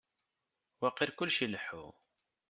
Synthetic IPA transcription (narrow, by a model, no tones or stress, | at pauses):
wæqːiɾkʊlːʃəlːəħṵ